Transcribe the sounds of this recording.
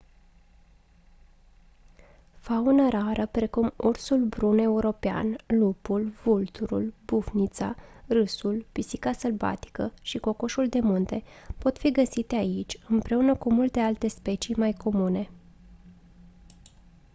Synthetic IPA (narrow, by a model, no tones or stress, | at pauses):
faunəɾaɾəpɾe̞kumursulbɾune̞uɾo̞pea̰nlupulv̥ult̪uɾṵlbufnit̪sa̰rɨsulpisikasəlva̰t̪i̥kəʃiko̞ko̞ʃuld̪e̞munt̪e̞po̞t̪fiɡəsit̪e̞ait͡ʃʲɨmpɾe̞unəkumult̪e̞alt̪e̞spe̞t͡ʃimajko̞mune̞